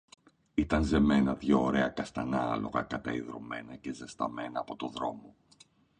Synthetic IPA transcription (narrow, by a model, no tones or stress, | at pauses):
it̪ɐnze̞me̞nɐðʝo̞ːɾe̞ɐkɐst̪ɐnɐlo̞̰ɣɐ̰kɐt̪ɐiðɾo̞̰me̞nɐce̞zest̪ɐme̞nɐːpo̞t̪o̞ðɾo̞mo̞